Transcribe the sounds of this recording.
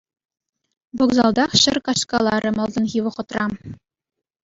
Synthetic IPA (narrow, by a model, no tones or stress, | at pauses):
bŏɡzɑlˠd̪ɑχɕɘ̆rkɑɕkɑlˠɑɾɤ̆mɤ̆lˠd̪ɤ̆nʁʲiʋɤ̆χɤ̆t̪rɑm